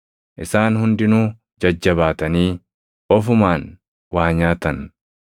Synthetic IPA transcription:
ʔɪsaːnhʊnd̪ɪnuː | d͡ʒɐd͡ʒːɐbaːt̪ɐniː | ɔfʊmaːn | waːɲaːt̪ɐn

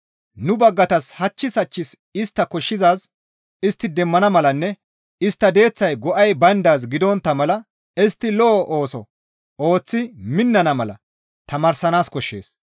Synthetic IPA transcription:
nʊbɐɡːɐt̪ɐshɐt͡ʃːɪsɐt͡ʃːɪs | ɪst̪ːɐkɔʃːɪzaːs | ɪst̪ːɪd̪ɛmːɐnɐmɐlɐnːɛ | ɪst̪ːɐd̪e̞ːt͡sːɐjɡɔʔɐjbɐnd̪aːs̬ɡɪd̪ɔnt̪ːɐmɐlɐ | ɪst̪ːɪlɔʔoːsɔ | o̞ːt͡sːɪmɪnːɐnɐmɐlɐ̰ | t̪ɐmaːɾsɐnaːskɔʃːḛːs

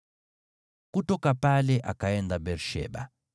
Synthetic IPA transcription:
kutɔkapalɛʔa̰kaɛndabɛɾʃɛ̰ba̰

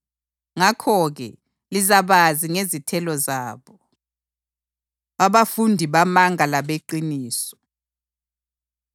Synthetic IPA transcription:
ŋakʰɔɣɛ̰ | lizaβaziŋezitʰɛlɔzaːβɔ | aβafundʱiβamaŋʱalaβeǃiniːsɔ̥

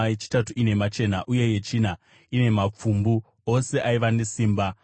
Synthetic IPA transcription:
et͡ʃi̥tatuine̞mat͡ʃe̞naʔuje̞je̞t͡ʃina | ine̞map͡fumbu | o̞se̞ʔaiʋane̞siːmba

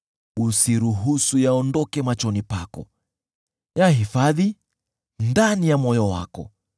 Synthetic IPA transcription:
usiɾuɦusujaɔndɔkɛmat͡ʃɔnipakɔ̰ | jaɦifaði | ndanijamɔjɔwa̰kɔ

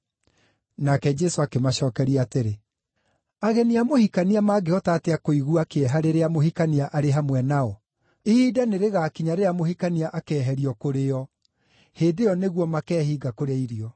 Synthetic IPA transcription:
nakɛd͡ʒɛsoakemaɕɔːkɛɾiateɾe | aɣɛniamohikaniamaːɡeɔtaːteakoiɣuakeɛɦaɾeɾeamohikaniaʔaɾeɦamwɛnaɔ | idaneɾeɣakiɲaɾeamohikaniaʔakɛːɦɛɾiɔkoɾeɔ | heːdejɔneɣwɔmakɛːhiːɡakoɾeaiɾiɔ

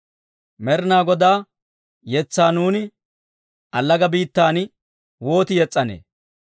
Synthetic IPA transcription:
mɛɾɪnaːɡɔd̪aː | jɛt͡sːaːnuːnɪ | ʔɐlːɐɡɐbiːt̪ːaːn | wo̞ːt̪ɪjɛt͡sʼːɐnḛː

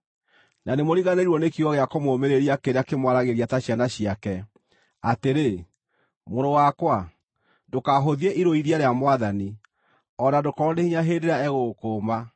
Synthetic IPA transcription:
nanemoɾiɣaneɾuɔnekiɣɔɣeakɔmoːmeɾeɾiakeɾeakemwaɾaɣeɾiataɕianaɕiakɛ | ateɾe | moɾowakwa | dokaɦoðieʔiɾoiɾiaɾeamwaðani | ɔnadokɔɾɔnehiɲaɦeːndeɾaɛɣoːkoma

